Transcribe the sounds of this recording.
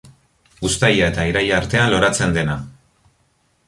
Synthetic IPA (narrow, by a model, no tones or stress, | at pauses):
ust̪ajae̞t̪aiɾajaɾt̪e̞anlo̞ɾat͡se̞nd̪e̞na